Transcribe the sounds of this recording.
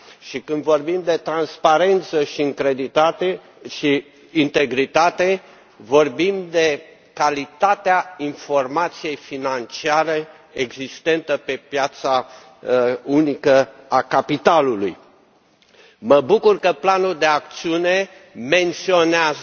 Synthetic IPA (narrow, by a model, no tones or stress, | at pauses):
ʃikɨnd̪vo̞rbimd̪e̞t̪ɾanspaɾe̞nt̪səʃiɨŋkɾe̞d̪it̪at̪e | ʃiː | nt̪e̞ɡɾit̪at̪e̞ | vo̞rbimd̪e̞ | kalit̪at̪eainfo̞rmat̪sije̞jfinant͡ʃiaɾeː | ɡzist̪e̞nt̪əpe̞pjat̪sa | unikəakapit̪alulṵj | məbukurkəplanuld̪e̞ak̚t̪siune̞ | me̞nt̪sio̞neaz